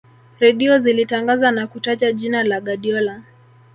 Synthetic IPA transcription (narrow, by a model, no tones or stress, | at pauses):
ɾɛɗiɔzilitaŋɡazanakutat͡ʃaʄinalaɠaɗiɔla